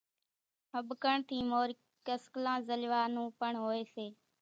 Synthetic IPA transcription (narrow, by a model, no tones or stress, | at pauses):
ɦəbkəɳt̪ʰiːmoːɾ | kəsklãːzəlʋaːnũːpəɳɦoːeːseː